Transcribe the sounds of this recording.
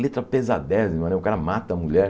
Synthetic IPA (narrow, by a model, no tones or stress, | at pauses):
let̪ɾɐpezad̪ɛɾɐzimɐ̃nẽʊkaɾɐmat̪ɐːmuʎɛɾ